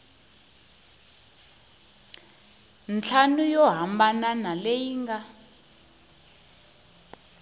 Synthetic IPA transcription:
nt͡ɬʰanujɔɦambananalejiːŋɡa

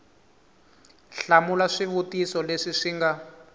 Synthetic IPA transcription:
ɬamulaʂiβutisɔleʂiʂiŋɡa

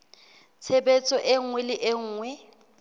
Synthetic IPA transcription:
t͡sʰebet͡sʼɔʔeŋ̩ŋwɛlɪʔeŋ̩ːŋwɛ

